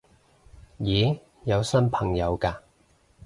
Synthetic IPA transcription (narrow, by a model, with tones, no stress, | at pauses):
jiː˨˥˦ | jɐ˨˧wsɐ˥npʰɐ˨˩ŋjɐ˨˧wkaː˧